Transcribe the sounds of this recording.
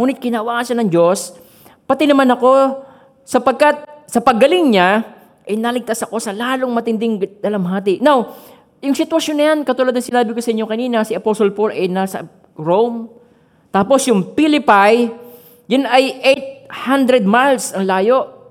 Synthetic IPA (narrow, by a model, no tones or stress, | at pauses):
muːnɪt̪̚kɪnaʔwaːkɐʃanɐŋd͡ʒo̞s | pɐt̪ɪnɐmanɐko̞ | sɐpɐɡ̚kat̪̚sɐpɐɡːɐlɪŋɲa | ʔɐjnalɪɡ̚t̪asɐko̞sɐlaːlo̞ŋmɐt̪ɪnd̪ɪŋd̪̥ɐlɐmhaːt̪ɪʔnaw | jʊŋsɪt̪wɐʃjo̞nːɐjankɐt̪uːlad̪nɐŋsɪnaːbɪko̞sɐʔɪɲːo̞kɐniːnɐsɪʔɐposolpolɐjnasɐ̰ | ɹowm | t̪aːpo̞sjʊŋpɪlɪpaj | jʊnɐjʔejt̪̚hand̪ɾɛd̪̚majlsɐŋlaːjo̞ʔ